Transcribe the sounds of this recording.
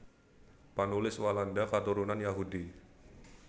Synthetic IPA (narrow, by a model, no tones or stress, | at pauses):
panulɪswalandakat̪uɾunanjaɦudi